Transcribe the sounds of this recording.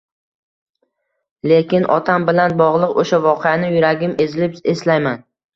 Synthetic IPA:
le̞kʲɪnʔɒ̰t̪ʰambɪlanbɒʁlˠɨqoʃavɒqʰejanɪjʊɾaɡʲɪme̞zɪlɪpeslajman

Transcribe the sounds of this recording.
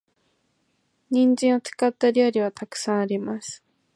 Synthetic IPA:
ɲĩɲd͡ʑĩɰ̃o̞t͡sɨ̥kat̪ːaɾʲioɾʲiβat̪akɯ̥sãɰ̃aɾʲimasɨ̥

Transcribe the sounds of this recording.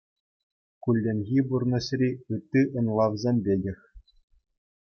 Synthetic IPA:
kulʲːĕnʲɣʲiburnɤ̆ɕrʲiɯt̪ʲːiʔɤ̆nlˠɑʋzʲemʲbʲelʲɘ̆xʲ

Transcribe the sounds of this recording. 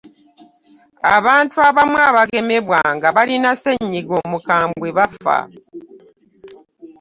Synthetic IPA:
a̰βaːntuaβamwaːβaɡe̞me̞βwaŋɡaβalinaseɲːiɡo̞ːmukaːmbweβafa̰

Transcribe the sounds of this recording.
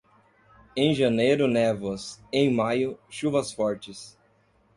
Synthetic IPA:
ẽj̃ʒɐnejɾʊnɛvɐsẽj̃majʊʃuvɐsfɔɾt͡ʃɪs

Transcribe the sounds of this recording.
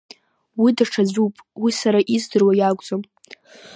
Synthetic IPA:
widaʈ͡ʂʰad͡zʷupʼwisaɾaʔizdɨrwajaɡʷʼd͡zom

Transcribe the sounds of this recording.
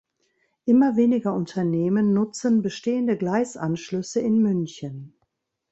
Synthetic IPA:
ʔɪmɐveːnɪɡɐʔʊntʰɐneːmənːʊt͡sənbəʃteːəndəɡlaɪsʔanʃlʏsəɪnmʏnçən

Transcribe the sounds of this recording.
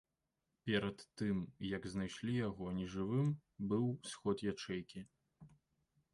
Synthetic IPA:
pʲɛɾɐt̪ːɨmjɐɡznajʂlʲijaɣɔnʲɛʐɨvɨmbɨwsxɔt̪jat͡ʂɛjkʲi

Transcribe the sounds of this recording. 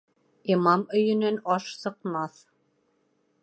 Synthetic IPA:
imɑmɵ̆jɵ̆nɘnɑʃsɤ̆qmɑθ

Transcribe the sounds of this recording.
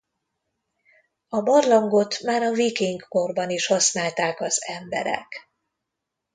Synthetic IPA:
ɒbɒrlɒŋɡo̞t̪maːɾɒvikiŋkko̞rbɒniʃhɒsnaːlt̪aːkɒzɛmbɛ̰ɾɛ̰k

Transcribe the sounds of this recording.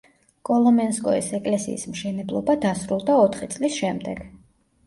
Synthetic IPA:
kʼɔlˠɔmɛnskʼɔḭsɛkʼlɛsḭːsmʃɛnɛblˠɔbad̪asɾulˠd̪aɔt̪ʰχit̪sʼlisʃɛmd̪ɛɡ̥

